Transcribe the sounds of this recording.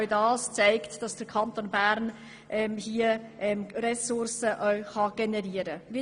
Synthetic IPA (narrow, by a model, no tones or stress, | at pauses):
ʊdɑːst͡saɪktd̥ɑsd̥əɾkʰɑnt̪oːnbæɾn | ʔɛmhiəʔɛmrɛsʊɾsəʔœʊχɑɡ̥enɛɾiːəɾəi